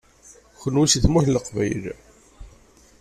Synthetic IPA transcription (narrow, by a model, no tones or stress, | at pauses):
çənwusiθmuθləqvæjl